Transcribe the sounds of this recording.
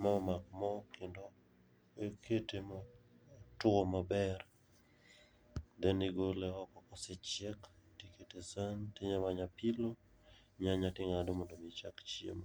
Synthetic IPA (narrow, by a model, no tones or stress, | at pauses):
maɔmak̚mɔkɪndo | ekʰetemɔ | tʊomabɛr | d̪ɛniɡoleɔkɔkɔsɛt͡ʃɛktiketesantɪɲamaɲapilo | ɲaɲatɪŋadomɔndomɪt͡ʃakt͡ʃḛma